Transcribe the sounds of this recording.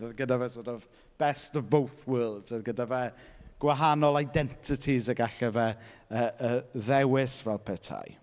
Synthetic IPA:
əðɡədavɛsɔdɔv | b̥ɛstəvbowθwəːlˠdz̥əðɡədavɛɡ̥waɦanɔlˠajdɛntʰɪtʰizəɡaɬɛvɛəːəðɛwɪsvɛlˠpʰɛtʰa̰j

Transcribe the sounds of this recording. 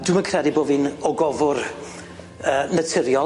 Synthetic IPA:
d̥wɪməkʰrɛdiboːviːnɔɡɔvʊr | əːnətʰɪɾjɔ

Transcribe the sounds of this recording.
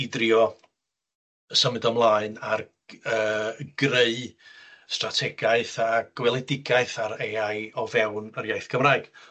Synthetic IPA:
ɪdrjɔ | əsəmɨdɔmlˠaːɨnar | əːɡ̥reɨstratʰɛɡaɨθaɡ̥wɛlˠɪdɪɡaɨθaɾeajɔvɛwnərjajθɡ̥ʰəmraːɨɡ̥

